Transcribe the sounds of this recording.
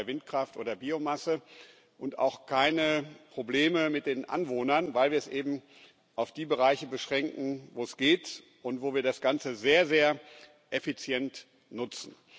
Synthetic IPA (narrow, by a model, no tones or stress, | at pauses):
ɐvɪnt̚kʁ̥aftʔo̰ːdɐbiːomasə | ʔʊnta̰ʊxkʰaɪnəpʁ̥obleːməmɪt̚d̥eːnʔa̰nvoːnɐnvaɪlviːɐɛsʔeːbm̩ | ʔaʊfd̥iːbəʁaɪçəbəʃʁ̥ɛŋkŋ̩voːɛsɡ̥eːt | ʔʊntv̥oːviːɐdasɡ̥ant͡səzeːɐzeːɐ | ʔefit͡sjɛnt | nʊt͡sn̩